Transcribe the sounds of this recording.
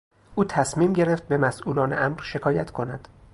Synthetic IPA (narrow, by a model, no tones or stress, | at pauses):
ʔuːt̪ʰæsmiːmɟe̞ɾeft̪̚be̞mæsʔuːlɒːneʔæmɾʃe̞kʰɒːjæt̪ʰkʰo̞næd̪̥